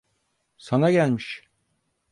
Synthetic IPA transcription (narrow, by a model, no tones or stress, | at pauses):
sanaɡælʲmiʃ